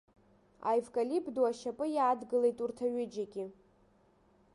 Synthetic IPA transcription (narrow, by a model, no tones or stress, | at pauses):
a̰jvkʼalipʰʼduaʃapʼɨjaːdɡɨle̞jtʼurtʰaɥʊd͡ʒaɡʲɪ